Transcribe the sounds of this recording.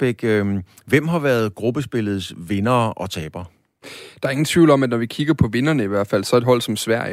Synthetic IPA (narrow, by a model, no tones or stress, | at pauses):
b̥eɡ̥ | ʋem̰ɦɑ̈ʋæɐð̞̩ˠɡ̥ʁub̥əsb̥e̝ləð̞̩ˠsʋe̝nɐːʔɒ̽t͡sʰɛːb̥ɐ | d̥ɑ̈ɐe̝ŋn̩t͡sʰʋiʊlɒ̽mæd̥nɒʋikʰiɡ̥ɐpʰɒ̽ʋe̝nɐnəiʋæɐ̰d̥fæl̰sɒ̽ed̥ɦɒ̽l̰sɒ̽msʋæɐ̰jə